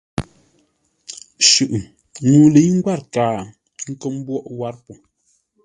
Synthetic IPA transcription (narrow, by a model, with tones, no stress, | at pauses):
ʃʉ˨ʔ | nuː˨le˨˦i˦ŋ̩˦ɡwa˦ɾkaː˨ | ŋ̩˦kə˦˨m̩˦bwɔ˦ʔwa˦ɾpu˨